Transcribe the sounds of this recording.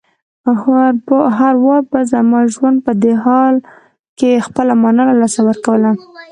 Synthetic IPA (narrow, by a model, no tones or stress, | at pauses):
ɦaɾwɑɾbazamɑʒwand̪̚pəd̪eɦɑl | kexpəlamɑnɑlalɑsawəɾkawəla